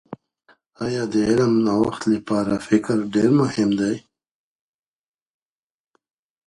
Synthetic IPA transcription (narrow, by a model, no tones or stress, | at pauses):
ɑjɑd̪əɪləmnawa̰xt̪lipɑːɾafɪkɾɖeɾmʊhɪmd̪aj